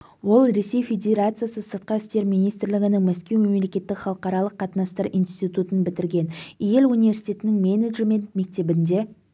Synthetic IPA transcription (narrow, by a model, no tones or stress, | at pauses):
wo̞lˠɾe̞se̞jfʲe̞d̪ʲe̞ɾat̪sɨjasəsəɾt̪̚qɑɪst̪e̞ɾmijnijst̪ɾlɪɡʲɪnɪŋmæskʲe̞wme̞mle̞kʲe̞t̪ːɪkχɑlˠəqɑɾɑlˠəqʰːɑt̪nɑst̪əɾḭjnst̪it̪ut̪ənbɪt̪ɪɾɡʲe̞nije̞lunive̞ɾsi̥t̪ʲe̞t̪ɪnɪŋmʲeneʒeme̞nt̪me̞k̚t̪e̞bɪnd̪e̞